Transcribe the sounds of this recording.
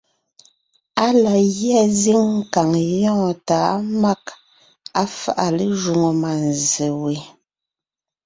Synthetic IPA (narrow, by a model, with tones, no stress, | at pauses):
a˦la˨ɣjɛ˦˨zi˦ŋ̩˦˨ka˨ŋjɔ̃ː˦˨taː˨˦ma˦k | a˦fa˦˨ʔa˨le˦ʒu˨ŋo˨ma˨n˨ze˨we˨